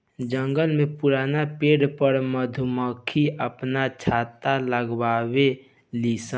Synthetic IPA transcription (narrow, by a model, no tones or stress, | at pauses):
d͡ʒə̃ŋɡəlmẽpuɾaːnapeːɽpəɾməd̪ʱuməkʰiəpnat͡ʃʰaːt̪aləɡwaːwe | liːsə